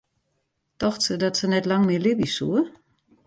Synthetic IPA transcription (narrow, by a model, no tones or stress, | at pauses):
d̥ɔxtsədɔtsənɛtlaŋmɪəlɪbisuə